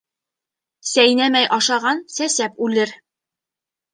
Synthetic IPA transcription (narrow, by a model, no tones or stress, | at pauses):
sæjnæmæjʔɑʃɑʁɑnsæsæpʉlɘɾ